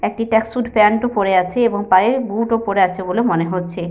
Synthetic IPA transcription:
ek̚ʈiʈɛksuɖpɛnʈopoɾeat͡ɕʰeeboŋpaebuʈopoɾeat͡ɕʰebolemoneɦotːɕʰe

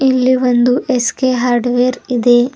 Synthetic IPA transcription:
ilːiʋond̪uʔeskeɦaːɾɖʋeːɾid̪e̞

